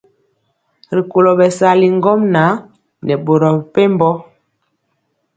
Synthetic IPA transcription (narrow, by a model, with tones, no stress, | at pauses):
ɾi˨ko˨lo˨ɓɛ˨sa˨˦li˨ŋ˦ɡɔ˦mna˨˦ | nɛ˨ɓo˨ɾɔ˨pe˦m˦bɔ˦